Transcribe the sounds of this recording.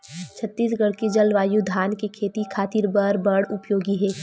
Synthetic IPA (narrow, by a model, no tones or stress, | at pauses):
t͡ʃʰət̪ːiːsɡɐɽked͡ʒɐlʋaːjud̪ʱaːnkekʰeːt̪ikʰaːt̪ɪɾbəɾbəɽʊpjoːɡiɦɛː